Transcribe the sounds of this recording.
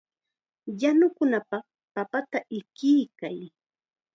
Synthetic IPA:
janʊkʊnapɑχ | papat̪aʔɪkɪjkaj

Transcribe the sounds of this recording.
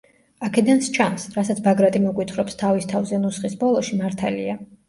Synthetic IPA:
akʰɛd̪anst͡ʃʰansɾasat̪sʰbaɡɾat̪ʼimɔkʼwit̪χɾɔpst̪ʰavist̪ʰavzɛnusχisbɔlˠɔʃimaɾt̪ʰalḭa

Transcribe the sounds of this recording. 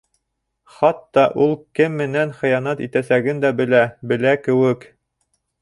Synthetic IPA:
χɑt̪ːɑʔulˠkɘmːɘ̆nænχɘ̆jɑnɑt̪it̪æsæɡɘnd̪æbɘ̆læbɘ̆lækɘ̆wɘk

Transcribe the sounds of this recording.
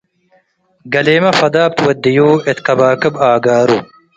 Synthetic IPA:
ɡɐleːmɐfɐd̪aːb̚t̪wɐd̪ːijuːet̪kɐbaːkɨbaːɡaːɾu

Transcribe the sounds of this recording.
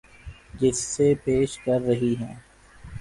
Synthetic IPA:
d͡ʒɪsːepeːʃkɐɾːɐɦiɦɛ̃ː

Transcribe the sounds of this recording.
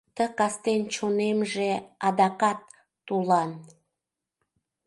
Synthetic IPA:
t̪əkɑst̪ent͡ɕonemʒeɑd̪ɑkɑt̪̚ː | ulɑn

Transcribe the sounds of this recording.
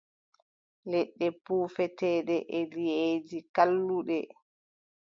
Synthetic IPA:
lɛɗːɛpuːfɛtɛːɗɛʔɛlied͡ʒikalːuɗɛ

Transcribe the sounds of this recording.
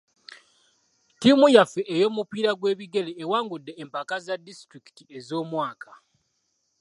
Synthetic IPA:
timujafeʔejo̞ːmupiːɾaɡwe̞ːβiɡe̞leːwaːŋɡudːe̞ːmpakazadːistɾiki̥tie̞zo̞ːmwaːkʰa

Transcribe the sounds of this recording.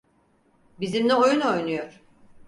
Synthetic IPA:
bizimlʲɛo̞juno̞jnujo̞ɾ̥

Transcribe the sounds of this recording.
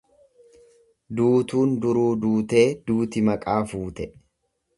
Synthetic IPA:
d̪uːt̪uːnd̪ʊɾuːd̪uːt̪e̞ːd̪uːt̪ɪmɐkʼaːfuːt̪ɛ

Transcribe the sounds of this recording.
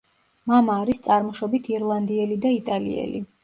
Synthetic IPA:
mamaːɾist̪sʼaɾmɔʃɔbit̪ʰiɾlˠand̪iɛlid̪ait̪ʼalḭɛ̰li

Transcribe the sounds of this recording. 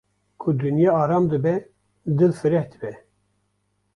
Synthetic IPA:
kʰud̪ɨnjɛɑːɾɑmd̪ɨbɛ | d̪ɨlfɨɾɛhd̪ɨbɛ

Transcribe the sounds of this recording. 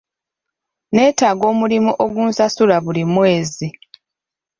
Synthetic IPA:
ne̞ːtaːɡo̞ːmulimuʔo̞ɡuːnsasulaβulimwe̞ːzi

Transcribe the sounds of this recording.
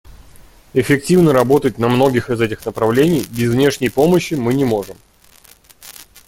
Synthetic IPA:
ɪfʲɪk̚tʲivnəɾɐbo̞t̪ət̚ʲnɐmn̪o̞ɡʲɪxɨzɛtʲɪxnəpɾɐvlʲenʲɪjbʲɪzvnʲe̞ʂnʲɪjpo̞məɕːɪmɨnʲɪmo̞ʐɨm

